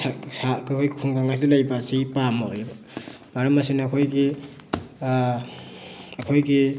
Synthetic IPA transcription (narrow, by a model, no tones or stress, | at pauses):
asakakʰojkʰuŋɡaŋas̬idɐlajbasipamajb | b̥aɾɐmasinːkʰojɡi | ɐkʰojɡi